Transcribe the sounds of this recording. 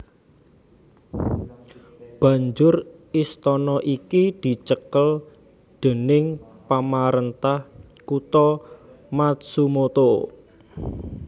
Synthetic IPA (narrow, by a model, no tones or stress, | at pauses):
b̥ä̤ɲd͡ʒʊrist̪ɔnɔʔikid̪̥i̤t͡ʃəkəl | d̪̥e̤nɪŋ | pamaɾənt̪ah | kut̪ɔ | mat̪̚sumot̪o